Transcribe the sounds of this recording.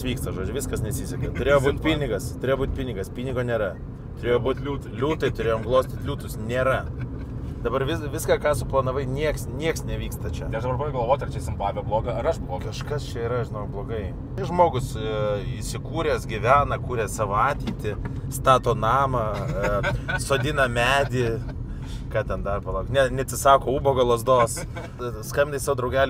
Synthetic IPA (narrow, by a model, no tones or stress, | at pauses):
sʋʲiːkst̪ɐʒoːd͡ʒʲʊʋʲɪskɐsnʲɛsʲisʲɛkɐt̪ʊɾʲeːjoːbuːt̪ʲpʲiːnʲɪɡɐst̪ʊɾʲeːjobuːt̪ʲpʲiːnʲɪɡɐspʲiːnʲɪɡoːnʲeːɾɐ | t̪ʊɾʲeːjobuːt̪ʲː | lʲuːt̪ɐɪt̪ʊɾʲeːjoːmɡlˠoːsʲt̪ʲɪt̪ʲlʲuːt̪ʊsnʲeːɾɐ | d̪ɐbɐɾʋʲɪsʋʲɪskɑːkɑːsʊplˠɐnɐʋɐɪnʲiɛksnʲiɛksnʲɛʋʲiːkst̪ɐt͡ʃʲɛɐʃd̪ɐbɐɾpɑːʋeɪɡʲlˠʋoːt̪ʲɐɾt͡ʃʲɛsʲɪmpˠɑːʋʲoblˠoːɡɐɐɾɐʃblˠokɐʃkɐst͡ʃʲɛiːɾɐʒʲɪnoʊblˠoːɡɐɪ | ʒmoːɡʊsɪʃsʲɪkuːɾʲɛːsɡʲɪʋʲæːnɐkuːɾʲɛssɑːʋoɑːt̪ʲiːt̪ʲɪst̪ɑːt̪oːnɑːmɐ | soːd̪ʲɪnɐmʲæːd̪ʲɪ | kɑːt̪ʲɛnd̪ɐrpɐlˠɐʊknʲɛnʲɛɐt̪ʲsʲɪsɑːkoːuːboːɡɐlˠoːzd̪oːs | skɐmʲɪnd̪ɐɪsɑːʋoːd̪ɾɐʊɡʲæːlʲ